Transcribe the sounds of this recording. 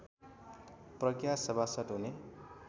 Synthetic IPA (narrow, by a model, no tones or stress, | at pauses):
prʌkjasʌbʱasʌtɦune